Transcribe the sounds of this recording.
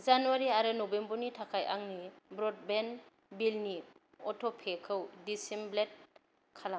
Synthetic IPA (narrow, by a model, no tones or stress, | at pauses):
zanuaɾiaɾɯnɔbembɔɾnitʰakʰajʔaŋnibɾɔd̚ben | bilni | ɔtʰɔpʰekʰɯwdisimblet̚ | kʰala